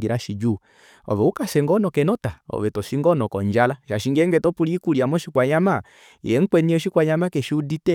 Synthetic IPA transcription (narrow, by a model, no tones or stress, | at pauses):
ɡiɾaʃid͡ʒu | ɔ̰ʋɛukasɛŋɡɔnɔkɛnɔtaɔ̰ʋɛtɔʃiŋɡɔnɔkɔɲd͡ʒalaʃaʃiŋɡɛŋɡɛtɔpuliːkuliamɔʃikwaɲama | ḭɛŋ̩k͡pwɛniɔʃikwaɲamakɛʃiuditɛ